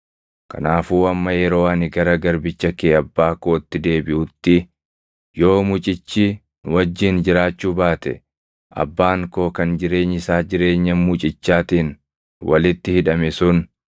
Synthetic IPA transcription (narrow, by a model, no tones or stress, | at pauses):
kɐ̰naːfuːɐmːɐjɛɾo̞ːɐnɪɡɐɾɐɡɐɾbɪt͡ʃːɐkeːɐbːaːkoːɪt̪ːɪd̪e̞ːbɪʔʊt̪ːɪ | jo̞ːmʊt͡ʃʼɪt͡ʃːi | nwɐd͡ʒːɪːnd͡ʒɪɾaːt͡ʃːuːbaːt̪ɛ̰ | ʔɐ̰bːaːŋko̞ːkɐnd͡ʒɪɾe̞ːɲːɪsaːd͡ʒɪɾe̞ːɲːɐnmʊt͡ʃʼɪt͡ʃːaːt̪iːn | wɐlɪt̪ːɪhɪᶑɐmɛsʊn